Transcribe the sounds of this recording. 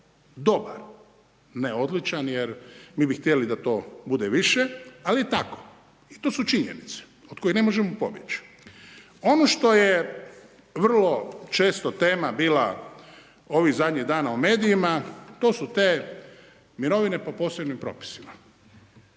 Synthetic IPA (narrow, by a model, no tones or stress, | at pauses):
d̪o̞ba̰ɾ | neo̞d̪lit͡ʃanjeɾmiːbixt̪jelid̪at̪o̞ːbud̪eʋiʃealiet̪ako | it̪oːsut͡ʃiɲḛnit̪se̥ot̪ko̞ixne̞mo̞ʒemopo̞̰bjet͡ɕ | o̞noʃt̪o̞je | ʋr̩lo̞t͡ʃe̞ːst̪ot̪e̞ːmabiːla | o̞ʋiɣzad̪ɲiɣd̪aːnaume̞ːd̪ijimat̪oːsut̪eː | miɾo̞ʋine̞po̞po̞ːsebnimpɾo̞̰pi̥sima